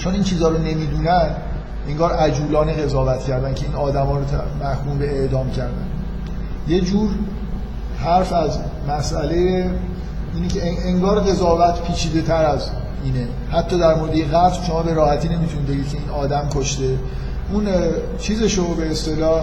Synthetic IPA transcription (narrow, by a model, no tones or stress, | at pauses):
t͡ʃʰoniːnt͡ʃʰiːzɒːɾone̞miːd̪uːnænd̪ | e̞ŋɡɒːɾʔæd͡ʒuːlɒːneɣe̞zɒːvæt̪cʰæɾd̪æncʰe̞iːnɒːd̪æmɒːɾot̪ʰmæhkʰuːmbe̞eʔd̪ɒːmcʰæɾd̪æ̰n | je̞d͡ʒuːɾ | hæɾfæzmæsʔæleje | iːnecʰʲeeŋɡɒːɾɣe̞zɒːvæt̪ʰpʰiːt͡ʃʰiːd̪e̞t̪ʰæɾæz | ʔiːne | hæt̪ʰːɒːd̪æɾmoɾed̪ejeɣæt̪bʃo̞mɒːbe̞ɾɒːhæt̪ʰiːne̞mit̪ʰunid̪d̪eɡiːd̪kcʰe̞iːnɒːd̪æmkʰoʃt̪e̞ | ʔun | t͡ʃʰiːze̞ʃobe̞ːst̪e̞lɒːh